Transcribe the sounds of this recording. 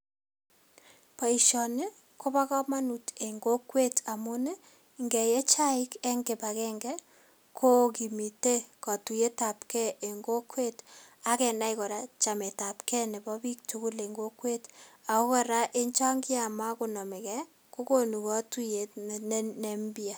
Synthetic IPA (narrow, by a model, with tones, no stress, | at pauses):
pa˨i˨ʃɔ˨ne˦ | ko˦ba˦kɔ˦ma˦nu˨te˨ŋɡo˦kwe˦tʰa˨mʊ˦nɛ˦ | ŋɡɛ˨jɛ˦t͡ʃa˦ɪ˦kɛ˦ŋɡe˨pa˨kɛ˦ŋɡɛ˦ | kʰo˦ki˨mi˨te˦kɔ˨tu˨je˦ta˨pkɛ˦e˨ŋɡo˦kwe˦ta˦kɛ˨na˦ikɔ˨ɾa˦t͡ʃa˨me˨ta˨pkɛ˦ne˨bɔ˦bi˦k̚tu˦ku˦le˨ŋɡo˦kwe˦ta˨ko˦kɔ˦ɾa˦ʔe˦ɲt͡ʃa˦ŋɡi˦a˨ma˦ku˨nɔ˨me˨kɛ˦ | ko˦ko˦nu˨kɔ˦tu˦je˨tn˦ne˨mbi˦a˨